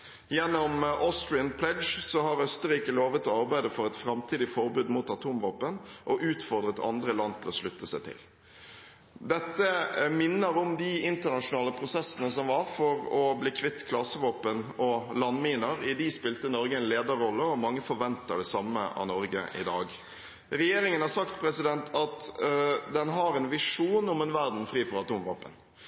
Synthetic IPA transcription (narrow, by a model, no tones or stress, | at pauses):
jɛnːɔmʔoːst̪ɾɪənpʰlɛdd͡ʒsɔhɑɾœst̪əɾiːkəloːʋət̪ʰɔɑɾbæɪd̪əfɔɾɛt̪fɾɑmt̪ʰiːd̪ɪfɔɾbʉːd̪muːt̪ɑt̪ʰuːmʋoːpənʔɔʔʉːt̪fɔɾd̪ɾət̪ʰɑ̰nd̪ɾəlɑnt̪ʰɪlɔʂlʉt̪ːəsæɪt̪ʰɪ̰l | d̪ɛt̪ːəmɪnːəɾɔmd̪ɪɪnt̪əɳɑʂʊnɑːləpʰɾʊsɛsːənəsɔmʋɑɾfɔɾɔbliːkʰʋɪt̪ːkʰlɑsəʋɑːpənɔlɑnːmiːnəɾɪd̪ispɪlt̪ənɔɾɡəɛnleːd̪əɾɔlːəɔmɑŋːəfɔɾʋɛnt̪ə̰ɖɛsɑmːə̰ʔɑ̰nɔɾɡə̰ʔɪ̰d̪ɑːɡ | ɾɛjeːɾɪŋənhɑɾsɑk̚t̪pʰɾɛsɪd̪ɛnt̪ʰɑt̪ | d̪ɛnɦɑɾɛnʋɪʂuːnɔmɛnʋæɾd̪n̩fɾiːfɔɾɑt̪uːmʋɑ̰ːpə̰n